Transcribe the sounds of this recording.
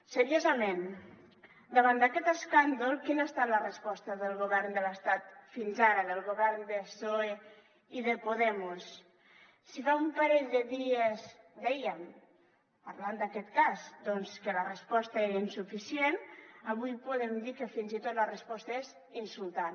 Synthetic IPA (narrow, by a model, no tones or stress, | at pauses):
səɾiozəmen | d̪əβand̪akɛt̪əskand̪ulˠkinast̪alərəspɔst̪əðəlˠɣuβɛɾnd̪ələst̪at̪finzaɾəðəlˠɣuβɛɾnd̪əsoe | iðəpuðɛmusː | ifaumpaɾɛʎd̪əðiez | d̪ɛjəm | paɾland̪akɛt̪kazd̪ɔnskələrəspɔst̪aeɾinsufisienaβujpuðemd̪ikəfinzit̪ot̪lərəspɔst̪əez | insulˠt̪an